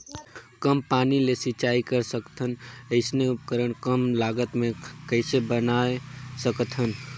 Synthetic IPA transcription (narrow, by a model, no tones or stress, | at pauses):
kəmpanilesit͡ʃaikəɾsəkt̪ʰənəɪsneupkəɾəɳ̃kəmlaɡət̪mẽkəɪsebənaesəkt̪ʰən